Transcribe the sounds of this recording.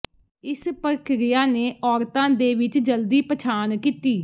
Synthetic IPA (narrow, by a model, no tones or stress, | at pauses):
ɪspəɾkʰɾɪjaːneːʔɔːɾt̪ãːd̪eːʋɪt͡ʃd͡ʒəld̪iːpət͡ʃʰaːnkiːt̪iː